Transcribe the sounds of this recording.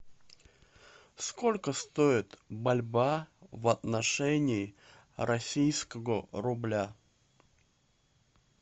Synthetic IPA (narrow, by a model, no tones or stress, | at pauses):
sko̞lʲkəst̪oɪt̪bɐlʲbavɐt̪nɐʂɛnʲɪː | ɾʔɐsʲijskəvəɾʊblʲa